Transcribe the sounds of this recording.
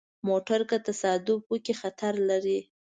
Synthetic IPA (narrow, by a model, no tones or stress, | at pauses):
moʈaɾkat̪asɑd̪ʊbwəkexat̪aɾlaɾi